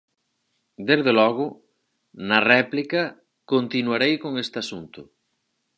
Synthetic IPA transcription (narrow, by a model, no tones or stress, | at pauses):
d̪ezðelɔɣ̞ʊ | nɐrɛplikɐ | kont̪inwaɾejkoŋest̪ɪasunt̪ʊ